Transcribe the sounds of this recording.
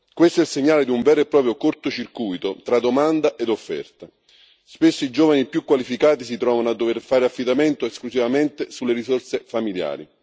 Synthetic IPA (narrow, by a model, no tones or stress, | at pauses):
kwest̪oɛlseɲːaːled̪iuɱvɛːɾoepːɾɔːpɾjokort̪ot͡ʃirkujt̪ot̪ɾad̪omand̪aʔed̪ofːɛ̰rt̪a | spesːoid͡ʒɔːvanipjukːwalifikaːt̪isit̪ɾɔːvanoad̪ːoverfaːɾeafːid̪ament̪oesklusivament̪ɪsulːeɾisorsefamilja̰ːɾḭ